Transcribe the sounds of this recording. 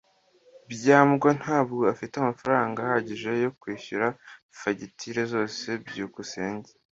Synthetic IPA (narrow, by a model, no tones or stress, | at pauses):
bjaːmɡwon̥haːbɡoafiteamafaɾaːŋɡahaɟiʒe̞jo̞kwiːçuɾa | faɟitʰiɾe̞zo̞ːse̞bɟuːkuseːɲɟe